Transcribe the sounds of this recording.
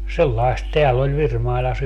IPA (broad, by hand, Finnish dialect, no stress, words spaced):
selːɑist teælː olʲ ʋirmɑilɑs